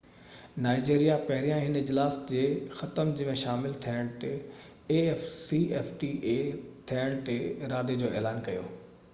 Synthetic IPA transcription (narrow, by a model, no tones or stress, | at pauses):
naːɪd͡ʑeːɾijapɐɦɪɾijãɦɪnɪd͡ʑlaːsd͡ʑeːxɐt̪əmd͡ʑɐ̃ʋẽʃaːmɪlt̪ʰiəɽ̃t̪e | ɛfsiɛːfʈiːʔet̪ʰiəɽ̃t̪eɾaːd̪ed͡ʑoːɛːlaːnkɐjo̰ː